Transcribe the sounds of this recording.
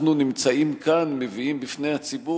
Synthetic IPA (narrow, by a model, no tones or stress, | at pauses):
nunimt͡saimkanmeviimbifne̞jat͡sibu